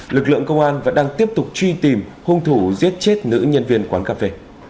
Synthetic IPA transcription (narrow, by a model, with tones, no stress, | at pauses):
lɨ˨˩k̚lɨ̰˧˨əŋkə˧wŋ͡mʔaː˧nvaː˨ɗaː˧ŋt̪i˦˥əp̚t̪ʊ˨˩k͡p̚t͡ɕwi˧t̪i˨˩mhʊ˧ŋ͡mt̪ʰu˧˩zi˦˥ət̚t͡ɕe˦˥t̚nɨ̰˧˥ɲə˧nvi˧ənkwaː˨˦nkaː˧fe˧